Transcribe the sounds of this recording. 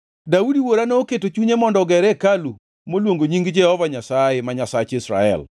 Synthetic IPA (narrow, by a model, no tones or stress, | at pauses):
daudiwoɾanooketot͡ʃuɲemɔndɔɡɛɾɛkalu | molwoŋɡoɲiŋɡd͡ʒɛhɔvaɲasaemaɲasat͡ʃisɾa̰ɛ̰l